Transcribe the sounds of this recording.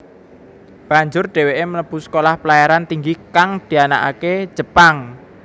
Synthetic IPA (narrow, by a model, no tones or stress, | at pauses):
b̥a̤ɲd͡ʒʊrɖ̥e̤weʔemələb̥ṳsə̥kolahpəlajaɾant̪iŋɡikaŋd̪̥i̤ana̰ʔa̰ke̥ʒ̥ə̤paŋ